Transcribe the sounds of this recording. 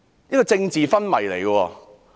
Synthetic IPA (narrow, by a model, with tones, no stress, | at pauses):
jɐ˥kɔː˧t͡sɪ˧ŋt͡siː˨fɐ˥nmɐ˨˩jle˨˩jko˧wɔː˧